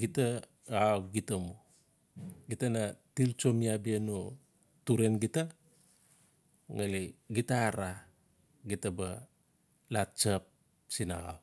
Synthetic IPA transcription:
ɡita | aɡitamu | ɡitanatilt͡ʃo̞miabieno | tuɾenɡita | ŋaliɡitaɾa | ɡitaba | lat͡ʃap̚ | sina̰a̰w

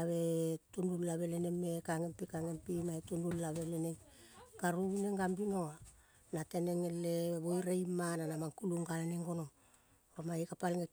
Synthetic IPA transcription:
aβe̞tunulːaβe̞lenemːekaŋempikaŋempimaetunulːaβeleneŋkaɾuβineŋɡambinoa | nateneŋelːeβojɾejmananamaŋkuluŋɡalaneŋɡo̞noŋ | ɾomaikapalŋe

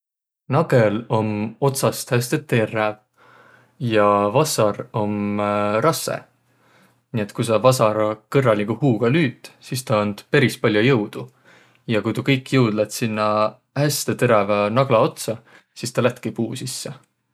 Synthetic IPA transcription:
nɑɡ̥e̞lo̞mo̞t̪sɑst̪hæst̪et̪ːerːæv | jɑvɑsɑɾo̞mrʔɑsːḛ | nie̞t̪ːˑkujsɑvɑsɑɾɑkɤrːɑliɡuhuːɡ̥ɑlyːt̪ˑsist̪ɑond̪̥peɾispɑlʲjojɤwd̪̥u | jɑkujt̪ukɤjkːˑjɤwd̪̥lɑt̪sinːɑ | hæst̪et̪e̞ɾɑvɑnɑɡ̥lɑo̞t̪sɑ | sist̪ɑlæht̪ːˑkipuːsisːe

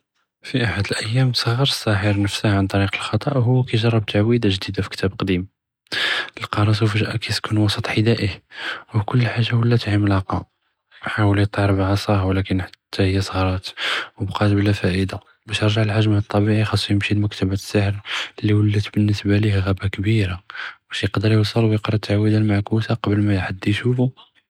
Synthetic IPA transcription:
fiʔaħad̪əlʔəjːæmsˤəɣːəɾˤəsːɑħəɾnəfsəhʕant̪ˤɑɾiqəlxɑt̪ˤɑʔɦʊwːækæjʒɑrˤːɑb̚t̪ʰaʕwid̪aʒd̪id̪afi̥kt̪ʰæbqd̪im | əlqɑɾˤɑs̬uwfiʒʔækʰæt̪kunwɑsˤət̪ˤħid̪æʔihwkʊlːħaʒːawəlːæt̪ʕəməlɑqɑ | ħawəlit̪ˤːəɾˤbʕɑsˤɑhwlækənħḁt̪ʰːæhəjːæsˤɣɾˤɑt̪wəbqɑt̪blæfæʔəd̪a | bæʃəɾˤʒaʕəlħaʒmat̪ˤːɑbiʕixɑsˤːjəmʃilməkt̪əbæt̪sːəħəɾlːiwəlːət̪bənːəsbælihɣæbakbiɾab̥æʃjəqd̪əɾˤjəwsˤːəlwjəqɾˤɑt̪ʰːaʕwəd̪ælmaʕkusaqɑbəlmæjħad̪ːjʃufu

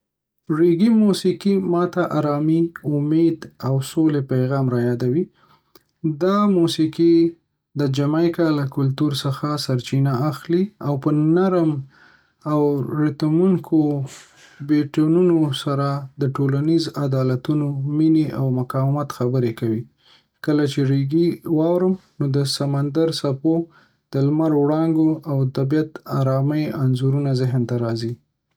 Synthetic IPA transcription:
ɾiɡimusikimɑt̪aʔaɾɑmiʊmed̪awsolepajɣɑmɾajɑd̪awi | d̪ɑmusike | d̪əd͡ʒamajkɑlːakʊlt̪uɾsəxasaɾt͡ʃinaːxliawpənaɾm | awɾɪt̪amuŋkʰo | beʈonunosaɾad̪əʈolanizad̪ɑlat̪unomineʔawmʊkɑwɪmat̪xabəɾekawi | kəlat͡ʃeɾeɡiwɑwɾəmnod̪əsamand̪aɾsapo | d̪̥əlmaɾwɽɑŋɡoʔawt̪abjat̪aɾɑməjanzuɾunazɪɦnt̪aɾɑzi

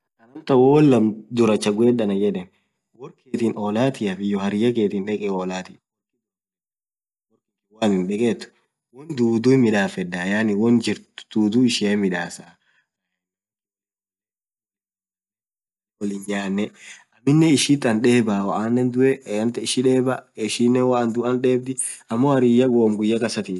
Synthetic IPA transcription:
ɐnɐnt̪ɐwoːlːɐmd̪ʊɾɐt͡ʃːɐɡʊɛːᶑɐnɐd͡ʒɛᶑɛn | wɔɾkeːt̪inoːlaːt̪ɪɐfɪjɔhɐɾɪjɐkeːt̪inᶑɛkʼɛoːlaːt̪ɪ | wɔɾkɪ | waːnɪnᶑɛkʼeːt̪ːʊ̥ | wɔnd̪uːd̪uːmɪᶑaːfɛd̪ːajaːnɪwɔnd͡ʒɪɾtʊ̥d̪̥uːd̪uɪʃɪemɪᶑaːsa | wɔlɪɲaːnːɛɐmːɪnːɛɪʃɪt̪ːɐnᶑe̞ːbaːwɐʔaːnːɛnd̪ʊʔɛɐnt̪ɛɪʃɪᶑe̞ːbɐɪʃɪnːɛnwɐʔɐnd̪ʊɐnᶑe̞ːb̚d̪ɪɐmːoːhɐɾijɐɡoːmɡʊjːɐkʼɐsɐt̪iː

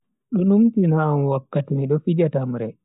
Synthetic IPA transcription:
ɗɔnumtinamwakːatimiɗɔfid͡ʒatamɾɛ

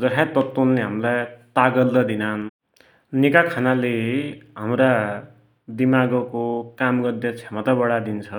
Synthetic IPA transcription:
d͡zʌɦʰat̪ʌt̪ːunleɦamlajt̪aɡʌld̪ʌd̪inan | nikakʰanaleɦamɾa | d̪imaɡʌkokamɡʌd̪jʌt͡sʰemʌt̪abʌɽad̪int͡sʰʌ

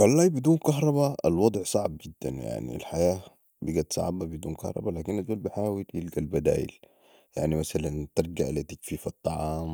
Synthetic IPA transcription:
xalːaːjbid̪uːnkɑɦɾˤɑβaa̰lwɑd̪ˤʕsˤɑʕb̚ɡid̪ːa̰nja̰ʕnḭlħajaː | biɡat̪sˤɑ̰ʕbabid̪uːnkɑ̰hɾˤɑ̰balaːkinazʔuːlbiħaːwiljɪlɡalbad̪a̰ːjḭl | ja̰ʕnimasalant̪ɑɾˤɡaʔlit̪akfiːfɑt̪ˤːɑʕɑːm

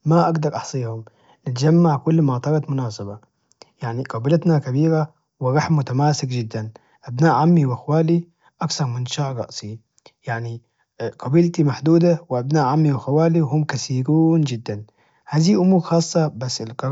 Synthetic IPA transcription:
maʔaɡd̪ɑɾˤʔɑħsˤiːhʊm | nɪt̪d͡ʒamːaʕkʊlːmat̪ˤɑɾˤɑt̪mʊnaːsɪba | jaʕniqɑbiːlɪt̪nakabiːɾa | wɪɾɑħmːʊt̪amaːsɪkd͡ʒɪd̪ːan | ʔabnaːʔʕamːiwʔaxwaːli | ʔakθɑɾˤmɪnʃaːʔɾˤɑ̰ʔsi | jaʕni | qɑbiːlt̪imaħd̪uːd̪awɪʔabnaːʔʕamːiwɪxawaːliwhʊmkasiːɾuːnd͡ʒɪd̪ːan | haːðiːʔʊmuːɾxɑːsˤːɑbasːɪlqɑɾ

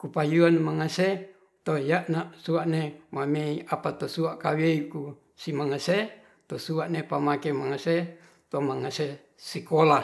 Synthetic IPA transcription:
kupajuanmaŋase | t̪ojaʔnasuaʔnemameiapat̪osuaʔkaweiku | simaŋase | t̪osuaʔnepamakemaŋase | t̪omaŋase | sikola

